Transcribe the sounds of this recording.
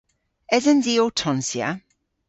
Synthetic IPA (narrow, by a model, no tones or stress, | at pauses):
ɛzənziːotʰɔnsja̰